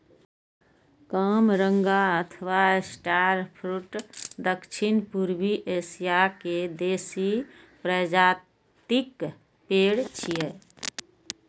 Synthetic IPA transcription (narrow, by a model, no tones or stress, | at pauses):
kaːmɾə̃ŋɡaət̪ʰəʋaesʈaːɾpʰɾuʈd̪əkʃʰɪnpuɾwiʔeːsijaked̪eːsi | pɾəd͡ʒaː | t̪ɪk | peːɽt͡ʃije